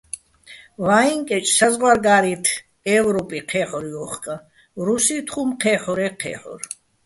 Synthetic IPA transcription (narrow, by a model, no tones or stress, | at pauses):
vaiŋkʼɛt͡ʃʼsazʁwaɾɡaːɾit̪ʰ | ɛːvɾɔpʼiqʰɛːħɔɾiɔχkʼa | ɾusit̪ʰχumqʰɛːħɔɾɛqʰɛ̰ːħɔ̰ɾ